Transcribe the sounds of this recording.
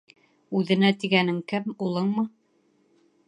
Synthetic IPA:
ʉðɘ̆næt̪iɡænɘŋkɘmulˠɤɴmɤ

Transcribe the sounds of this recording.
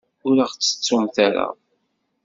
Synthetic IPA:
ʊɾaʁt͡sːə̥t͡sːumθaɾa̰

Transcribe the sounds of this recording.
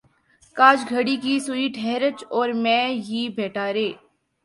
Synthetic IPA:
kaːd͡ʒɡʱɐɽikisʊiʈʰɛːɾət͡ʃɔːɾmɛ̃ːɦibʱɛːʈaːɾeː

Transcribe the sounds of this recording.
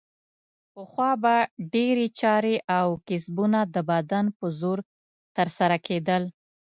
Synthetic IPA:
pəxwɑbaɖeɾet͡ʃɑɾeʔawkɪsbunad̪əbad̪anpəzoɾ | t̪əɾsaɾakʰed̪əl

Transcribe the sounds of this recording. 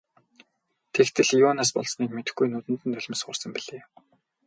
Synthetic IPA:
t̪ʰekt̪ʰɘ̆ɮiʊːnaːspɔ̰ɮsniːkmet̪ɘ̆xɡujnuːt̪ɘ̆nt̪ɘ̆nt̪ʰœɮʲɪ̆msɢʊ̰rsə̆mpiɮeː

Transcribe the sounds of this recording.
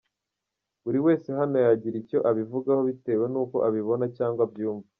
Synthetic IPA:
uɾiwe̞ːse̞ɦano̞jaɟiɾico̞ʔaβivuɡaho̞βite̞ːwe̞nuːko̞̰ʔaβiβo̞nacaːŋɡwabjuːɱva

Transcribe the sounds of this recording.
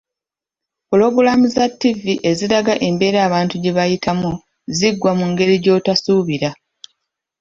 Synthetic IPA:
pulo̞ɡulamuzatːiviʔe̞ziɾaɡaʔe̞mbe̞ːɾaːβaːntuɟe̞βajitʰamu | ziɡwamuŋɡe̞ɾiɟo̞ːtasuβiɾa

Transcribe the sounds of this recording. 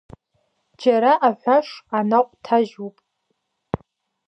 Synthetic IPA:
d͡ʒaɾaʔaħʷaʂanaqʷʼtʰaʒupʼ

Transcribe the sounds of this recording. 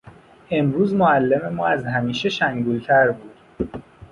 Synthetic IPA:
e̞mɾuːzmoælːe̞me̞mɒːæzɦæmiːʃe̞ʃæŋɡuːlt̪ʰæɾbuːd̪̥

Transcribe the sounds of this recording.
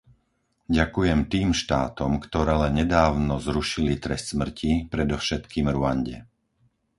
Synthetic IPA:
ɟakujɛmt̪iːmʃt̪aːt̪ɔmkt̪ɔɾɛːlɛnɲɛd̪aːʊnɔzɾuʃilit̪ɾɛst̪smr̩cʰipɾɛd̪ɔfʃɛt̪kiːmɾuaɲɟɛ̰

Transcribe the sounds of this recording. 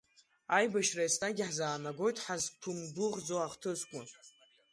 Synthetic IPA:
ajbaʃrajstʼaɡʲiħzaːnaɡʷo̞jtʼħaztʰumdʊʁd͡zowaʁtʰɨzkʷʼʊ

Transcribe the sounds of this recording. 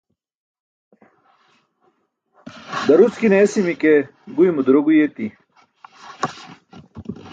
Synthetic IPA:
d̪ɐɾut͡skineːsimike | ɡujmud̪ɾoɡujet̪i

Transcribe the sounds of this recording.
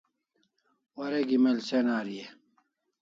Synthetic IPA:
wɐɾeɡimelsenaːɾie

